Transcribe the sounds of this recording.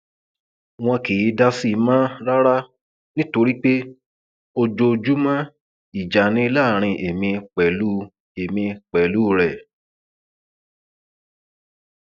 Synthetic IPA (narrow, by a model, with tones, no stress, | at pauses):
w̃ɔ̃˧ki˨i˨˦da˧si˦˨˧mã˦ɾa˦ɾa˦ | nĩ˦to˧ɾi˦k͡pe˦ | o˧d͡ʒo˧d͡ʒu˦mã˦ | i˨d͡ʒa˨nĩ˦i˧˦laː˦˨ɾ̃ĩ˧ʔe˨mĩ˧k͡pɛ˨lu˦ | e˨mĩ˧k͡pɛ˨lu˦˨ɾɛ˨